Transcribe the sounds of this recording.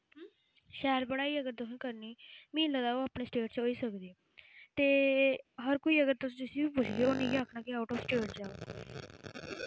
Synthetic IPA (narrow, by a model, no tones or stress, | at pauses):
ʃɛːəɾbəɽaːiːəɡəɾt̪ʊsĩkəɾniːmĩːləd̪aːoːaːpɳeːsʈeːʈ̚t͡ʃoːiːsəkd̪iː | t̪eːɦəɾkoiːəɡəɾt̪ʊsd͡ʒɪsĩːbiːpʊt͡ʃʰd̪ioːnĩːɡaːkʰnãːkiaːʊʈɔːsʈeːʈd͡ʒaːo